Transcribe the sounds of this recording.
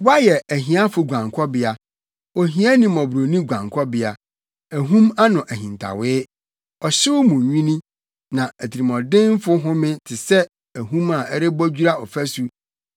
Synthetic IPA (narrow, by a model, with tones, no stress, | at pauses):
wa˦jɛ˨æ˨ɦĩ˨˦a˦fʊ˨ɡʷã˨ŋkʰɔ˦bɪ˨a˨ | ɔ˨ɦĩ˦a˦nĩ˨mɔ̃˨bɾo˨nĩ˦ɡʷã˨ŋkʰɔ˦bɪ˨a˨ | æ˨ɦũ˦ma˦nʊ̃˨ʔæ˨ɦĩ˨n˨tʰa̰˨wɪː˦ | ɔ˨ɕɪ˦wʊ˦mũ˨ɲᶣĩ˦nĩ˦ | nã˨æ˨tʰi˨ɾi˨mɔ̃˨dɪ̃˦n˦fʊ˦ɦʊ̃˦mɪ̃˦tʰɪ˨sɛ˦ | æ˨ɦũ˦ma˨ʔɛ˦ɾɪ˦bɔ˦d͡ʑᶣu˦ɾa˦ɔ˨fæ˦su˦